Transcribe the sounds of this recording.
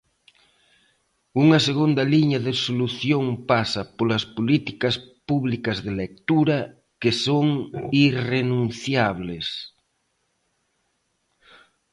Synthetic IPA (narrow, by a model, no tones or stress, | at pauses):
uŋaseɣ̞und̪aliɲaðesoluθjoŋpasapolaspolit̪i̥kaspuβlikazðelek̚t̪uɾa | kesoŋirenũnθjaβ̞les